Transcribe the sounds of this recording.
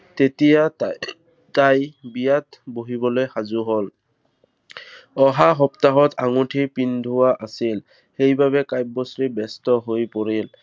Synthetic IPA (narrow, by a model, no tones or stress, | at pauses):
tetija | tajbijatboɦibɔlojxazuɦol | ɔɦaɦɔptaɦɔtʰaŋutʰipindʱʊwaʔasil | xejbaβɛkajb̚bɔsɹibɛstɔɦojpoɹil